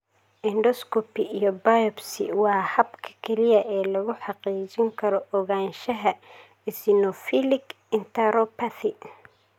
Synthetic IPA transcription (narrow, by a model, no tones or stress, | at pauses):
ʔɪnɖɔskɔpiijɔbajɔbsɪ̰wɑːhɐbkʰɐ̥kʰɛlɪjɐʔɛːlɐɣʊħɑqiːt͡ʃɪŋkʰɐɾɔʔɔɣaːnʃɐɦɐ | ɪsɪnɔfilɪk | ɪnt̪ʰɐɾɔpʰɐθɪ